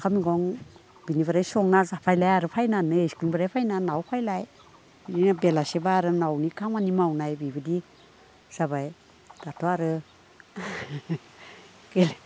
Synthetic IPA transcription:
kʰamiɡɔŋ | b̥inibaɾajsɔŋnazapʰajlajaɾɯpʰajnanɯeskinbaɾajpʰajnanawpʰajlaj | ininabelasebaɾɯnawnikʰaŋanimawnajbibɯdi | z̥aβaj | d̥atʰɔaɾɯ | ɡele

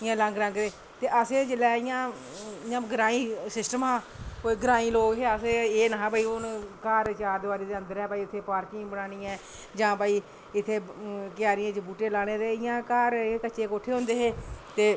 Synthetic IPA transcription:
ɪjãːlə̃ŋɡɾə̃ŋɡd̪eː | t̪eːʔəseːt͡ʃəlɛːɪjãː | ɪjãːɡəɾãːiːsɪsʈəmɦãːkoːiɡəɾãːĩːloːkɦeːəseːeːnaɦãːpaːiːʊnkaːɾt͡ʃaːd̪ʋaːɾeːd̪eːənd̪əɾɛːpaːiːʊt̪ʰːeːpaːɾkɪ̃ːbənaːñiːɛ̃ː | d͡ʒãːpaːiː | ɪt̪ʰːeːkɪjaːɾijãːt͡ʃbuːʈeːlaːɽ̃eːt̪eːɪjãːkaːɾkət͡ʃːeːkoːʈʰeːɦʊ̃nd̪eːɦeːt̪eː

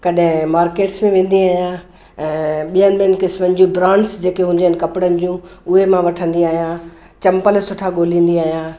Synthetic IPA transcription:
kɐɗɦɪ̃maːɾkeːʈsmẽʋẽːn̆d̪iaːɦijã | ɛ̃ːɓijənɪɓiənɪ̆kɪsmənɪ̆d͡ʑũbɾãːnsd͡ʑeːkeɦũːnd̪iɦɪnɪ̆kɐpɪɽənɪ̆d͡ʑũ | ʊɦemãʋɐʈʰə̃nd̪iaːɦijã | t͡ɕɐ̃mpəlsʊʈʰaɡoːlĩːn̆d̪iaːɦijãː

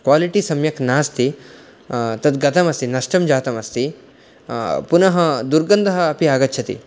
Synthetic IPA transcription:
kwaːliʈisɐmjɐknaːst̪i | t̪ɐd̪ɡɐt̪ʰɐmɐst̪inɐʂʈɐmd͡ʒaːt̪ɐmɐst̪i | punɐɦɐd̪uɾɡɐnd̪ɐɦɐːpiaːɡɐt̪ːt͡ʃʰɐt̪ḭ

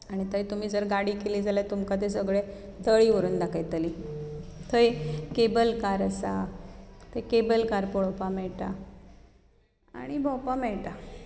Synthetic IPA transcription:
aɽ̃it̪əjt̪um̤iːd͡zəɾɡaɽiːkeliːd͡zʱalat̪umkat̪̬es̬əɡɭe | t̪əɭiːʋəɾuːnd̪akʰajt̪əliː | t̪ʰəjkebəlkaɾəsa̰ | t̪ʰəjkebəlkaɾpɔɭopamɛɭʈa | a̰ɽ̃ibʱɔpamɛɭʈa

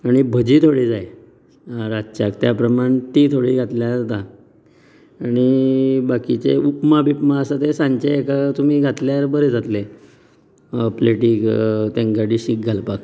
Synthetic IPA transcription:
aɽ̃ibʱəd͡ʑiːt̪ʰoɽiːd͡zae | aɾat͡ɕakt̪japɾəmaɳt̪iːt̪ʰoɽiːɡʱat̪ljad͡zat̪a | aɽ̃ibakit͡sḛupmabʱipmaəsat̪esãɲt͡ɕeːkat̪um̤iːɡʱat̪ljaɾbəɾed͡zʱat̪le | əpleʈiːkt̪ẽŋɡaʈiːɕik̚ɡʱalpak

